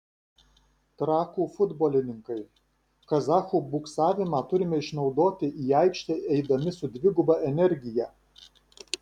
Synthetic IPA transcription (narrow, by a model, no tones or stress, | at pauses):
t̪ɾɑːkuːfʊd̪boːlʲɪnʲɪŋkɐɪ | kɐzɑːxuːbʊksɑːʋʲɪmɑːt̪ʊɾʲɪmʲɛɪʃnɒʊd̪oːt̪ʲɪʔiːɑɪkʃʲt̪ʲɛʔɛɪd̪ɐmʲɪsʊd̪ʲʋʲɪɡʊbɑʔɛnʲɛɾʲɡʲɪjɛ